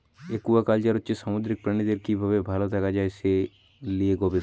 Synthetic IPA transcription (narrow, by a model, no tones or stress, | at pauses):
ekuʋakaːld͡ʒaɾʊtːt͡ʃesamʊd̪ɾɪk̚pɾɐɳ̃id̪eɾkibʱɐʋebʱaːlot̪ʰɛkad͡ʒaese | lieɡobe